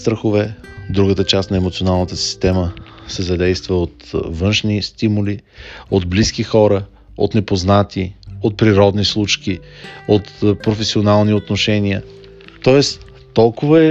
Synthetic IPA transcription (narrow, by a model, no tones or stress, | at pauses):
st̪ɾəxʊvɛd̪ɾuɡət̪ət͡ʃast̪nɐɛmot̪sionalˠnət̪əsi̥st̪ɛməsɛzɐd̪ɛjst̪vəot̪vɤnʃnist̪imʊliod̪bliskixɔɾə | o̰t̪nɛpoznat̪iot̪̚pɾiɾɔd̪nislˠut͡ʃkiot̪pɾofɛsionalˠniot̪noʃɛniə̰ | t̪ɔɛs | t̪ɔlˠkʊvəɛ